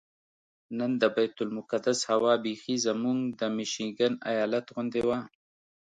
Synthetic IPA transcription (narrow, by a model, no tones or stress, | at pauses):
nənd̪əbajt̪ʊlmʊkad̪ashawɑbexizamuŋɡd̪əmɪʃiɡana̰jɑlat̪ɣʊnd̪ewa